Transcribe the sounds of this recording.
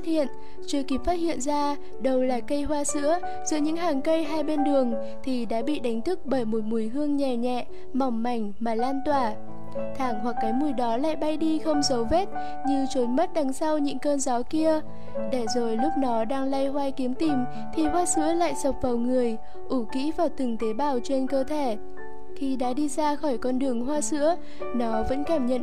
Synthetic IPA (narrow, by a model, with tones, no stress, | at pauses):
t̚hḭ˧˨ən | t͡ɕɨ˧əki˨˦˥p̚faː˦˥t̚hḭ˧˨ənzaː˧ | ɗə˧wlaː˨˩kə˧jɦwaː˧sɨ̰˧˥ə | zɨ̰˧˥ɲɨ̰˧˥ŋɦaː˨˩ŋkə˧jɦaː˧jɓe˧nɗɨ˨˩əŋ | t̪ʰi˨˩ɗa̰ː˧˥ɓḭ˧˨ɗa˨˦jŋ̟t̪ʰɨ˦˥k̚ɓəː˧˩jmo˨˩t̚mu˨˩əjɦɨ˧əŋɲɛ˨˩ɲɛ̰˧˨ | ma˨˩wŋ͡mːa˨˩jŋ̟maː˨˩laː˧nt̪waː˧˩ | t̪ʰaː˧˩ŋhwa˨˩kːaː˨˦jmu˨˩əjɗɔ˨˦la̰ː˧˨jɓa˧jɗi˧xə˧wŋ͡mzə˨˦wve˦˥t̚ | ɲɨ˧t͡ɕo˨˦nmə˦˥t̚ɗa˨˦ŋsa˧wɲɨ̰˧˥ŋkəː˧nza˨˦ki˧ə | ɗe˧˩zo˨˩jlʊ˦˥k͡p̚nɔ˨˦ɗaː˧ŋla˧jɦwaː˧jki˨˦əmt̪i˨˩m | t̪ʰi˨˩hwaː˧sɨ̰˧˥əla̰ː˧˨jzə˨˩wk͡p̚vaː˨˩wŋɨ˨˩əj | ʔu˧˩kḭ˧˥vaː˨˩wt̪ɨ˨˩ŋt̪e˨˦ɓaː˧˩wt͡ɕe˧nkəː˧t̪ʰe˧˩ | xʰi˧ɗa̰ː˧˥ɗi˧zaː˧xɔ˧˩jkɔ˧nɗɨ˨˩əŋɦwaː˧sɨ̰˧˥ə | nɔ˨˦və̰˧˥nkaː˧˩mɲə̰˧˨n